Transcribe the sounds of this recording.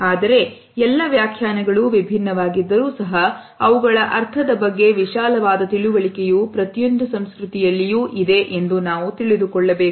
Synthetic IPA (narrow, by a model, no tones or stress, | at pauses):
aːd̪ɐɾe̞ | ɛlːɐʋjaːkʰjaːnɐɡɐɭuʋibʱinːɐʋaːɡid̪ːɐɾuːsɐɦɐ | ɐʋuɡɐɭɐʔɐɾt̪ʰɐd̪ɐbɐɡːe̞ʋiʃaːlɐʋaːd̪ɐt̪iɭuʋɐɭikejuːpɾɐt̪jo̞nd̪usɐmskɾut̪ijɐlːijuːʔid̪e̞ʔe̞nd̪unaːʋut̪iɭid̪ukɔɭːɐbe̞ː